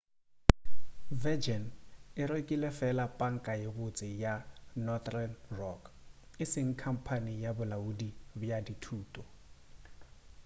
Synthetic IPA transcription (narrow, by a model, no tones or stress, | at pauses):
vɛd͡ʒɛnɪɾwekʼilɛfɛlapʼaŋ̩kʼajɪɣʊt͡sʼɪjanɔθrɛnrɔk | ɪsɪŋ̩kʰam̩pʰanijabʊlaudibjaditʰuːtʼɔ